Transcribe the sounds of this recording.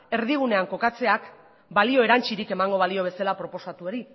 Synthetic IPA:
e̞ɾðiɣ̞une̞aŋko̞kat͡se̞ak | balio̞eɾant͡ʃiɾike̞maŋɡo̞β̞alio̞βe̞salapɾo̞po̞sat̪uo̞ɾi

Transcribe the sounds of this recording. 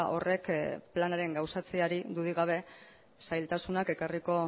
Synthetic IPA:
ʔo̞̰re̞kplanaɾe̞ŋɡawsat͡seaɾid̪uðiɣ̞aβ̞e̞ | sajlt̪asunake̞kariko̞

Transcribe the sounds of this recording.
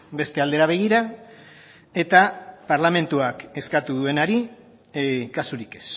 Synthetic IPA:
be̞st̪e̞ald̪e̞ɾaβ̞e̞ɣiɾa | e̞t̪apaɾlame̞nt̪uake̞skat̪uðue̞naɾi | kasuɾike̞̥s

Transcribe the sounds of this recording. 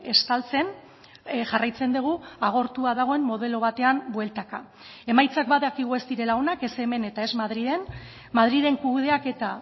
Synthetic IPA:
e̞st̪alt͡se̞n | ʝarajt͡se̞nd̪uɣ̞uaɣ̞o̞ɾt̪uaðaɣ̞o̞e̞mːo̞ð̞e̞lo̞β̞at̪e̞ambwe̞lt̪aka | e̞majt͡sak̚baðakiɣ̞ue̞st̪iɾe̞laonake̞se̞me̞ne̞t̪ae̞zmaðɾið̞e̞n | mað̞ɾiðe̞ŋkuð̞e̞ake̞t̪a

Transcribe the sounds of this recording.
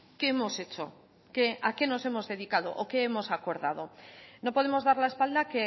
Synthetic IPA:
ke̞emo̞se̞t͡ʃo̰ | keake̞no̞se̞mo̞zðe̞ðikaðo̰ʔoke̞emo̞sako̞ɾðað̞o̞no̞poðemo̞zð̞aɾlaespald̪ake

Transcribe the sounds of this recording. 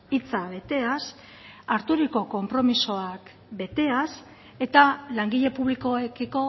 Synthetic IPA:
it͡saβe̞t̪e̞as | aɾt̪uɾiko̞ko̞mpɾo̞miso̞ak | be̞t̪e̞as | e̞t̪alaŋɡiʎe̞puβ̞liko̞ekiko̞

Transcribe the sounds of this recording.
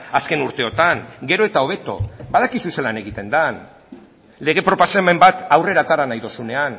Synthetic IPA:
aske̞nuɾt̪e̞o̞t̪aŋɡe̞ɾo̞e̞t̪ao̞βe̞t̪o̞̰baðakisuselane̞ɣ̞it̪e̞nd̪an | le̞ɣ̞e̞pɾo̞paseme̞mbat̪awre̞ɾat̪aɾanajðosune̞an

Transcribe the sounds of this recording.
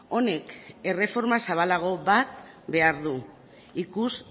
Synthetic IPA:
o̞ne̞ke̞re̞fo̞ɾmasaβalaɣ̞o̞βat̪ | be̞aɾðu | ikus

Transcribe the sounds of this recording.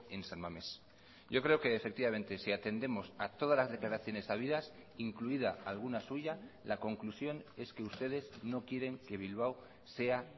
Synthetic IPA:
e̞nsalmame̞s | ɟo̞kɾe̞oke̞ːfek̚t̪iβame̞nt̪e̞siat̪e̞nd̪e̞mo̞sat̪o̞ðalazðe̞klaɾaθjo̞ne̞saβ̞iðasiŋkluið̞aalɣ̞unasuʝalako̞ŋklusjo̞ne̞ske̞ust̪e̞ð̞e̞zno̞kje̞ɾe̞ŋke̞β̞ilβ̞aw | se̞a

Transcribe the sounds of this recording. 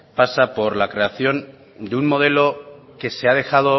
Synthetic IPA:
pasapo̞ɾlakɾe̞aθjo̞n | d̪eunmo̞ð̞e̞lo̞ke̞se̞að̞e̞xað̞o

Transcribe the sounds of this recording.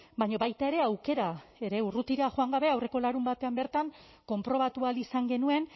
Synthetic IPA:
baɲo̞βajt̪ae̞ɾe̞awke̞ɾae̞ɾe̞urut̪iɾaʝoaŋɡaβ̞e̞awre̞ko̞laɾumbat̪e̞ambe̞ɾt̪aŋ | ko̞mpɾo̞β̞at̪ualisaŋɡe̞nue̞n

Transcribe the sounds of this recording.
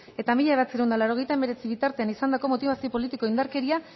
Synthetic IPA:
e̞t̪amiʎae̞β̞at͡siɾeund̪alaɾo̞ɣ̞e̞jt̪aemeɾe̞t͡siβ̞it̪aɾt̪e̞anisand̪ako̞mo̞t̪iβasio̞po̞lit̪iko̞ind̪aɾke̞ɾia

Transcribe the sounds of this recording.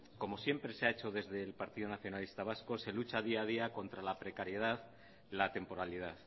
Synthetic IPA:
ko̞mo̞sje̞mpɾe̞seaet͡ʃo̞ðe̞zðe̞ːlpaɾt̪iðonaθjo̞nalist̪aβ̞asko̞se̞lut͡ʃað̞iaðiako̞nt̪ɾalapɾe̞kaɾje̞ð̞að | lat̪e̞mpo̞ɾalið̞aθ

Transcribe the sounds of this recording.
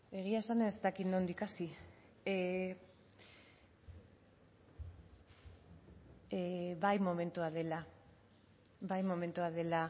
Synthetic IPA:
e̞ɣ̞iaesanest̪akit̪no̞nd̪ikasi | βajmo̞mẽ̞nt̪uað̞e̞la | bajmo̞mẽ̞nt̪uað̞e̞la

